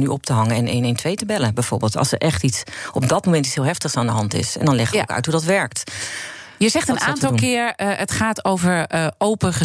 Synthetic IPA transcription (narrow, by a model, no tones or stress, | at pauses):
nyʔɔp̚təɦɑŋəɛnḛːnentʰʋejtəbɛləbɛjv̥o̰ːɹbɪːlˠtɑ̰lˠsərʔɛχtitsɔpdɔt̚momɛnti̥shiːlˠɦɛftəxsandəɦɑntɪ̰sɛ̰ndɔnlɛxkœ̰ɥthudɔtʋɛɹk̚t | jəzɛχtənaːntɔlˠkɪːɹətχaːtowvəɹowpəχə